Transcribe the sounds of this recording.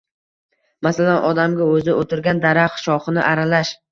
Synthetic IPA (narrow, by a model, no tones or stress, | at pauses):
masalanʔɒd̪amɡʲaɵzɪʔot̪ʰɪɾɡʲand̪aɾaqʃɒχɨnɪʔaɾalaʃ